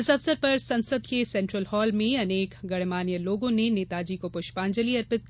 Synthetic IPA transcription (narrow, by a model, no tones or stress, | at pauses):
ɪsɐfsəɾpɐɾsɐ̃nsəd̪kesɛ̃ːɳʈɾəlhɔːlmẽɐneːkɡɐɽmaːnijəloːɡõneneːt̪aːd͡ʒikopʊʃpãːnd͡ʒəliɐɾpɪt̪̚